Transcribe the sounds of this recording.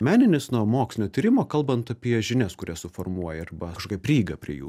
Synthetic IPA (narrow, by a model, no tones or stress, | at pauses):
mʲæːnʲɪnʲɪsnuɔmoːksʲɪnʲoːt̪ʲiːɾʲɪmoːkɐlˠbɐnt̪ɐpʲiɛʒʲɪnʲɛskʊɾʲɛsʊfoːrmuɔjɛɐɾbɐɐʃkoːkʲɛpʲɾʲiːɡɐpʲɾʲiɛ̰jṵː